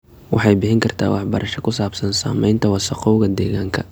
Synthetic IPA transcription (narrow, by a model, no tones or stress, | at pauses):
wɑħɑjbɪħɪŋkʰɐrt̪ʰa̰ːwɑħbɐɾʔɐʃɐkʰʊsaːbsɐnsa̰ːmɛjnt̪ʰɐwɑsɐqɔɣɐd̪ɛːɣaːŋkʰɐ